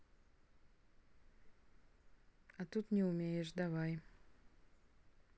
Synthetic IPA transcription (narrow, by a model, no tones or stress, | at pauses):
ɐt̪ut̪nʲɪʊmʲejɪʂd̪avaj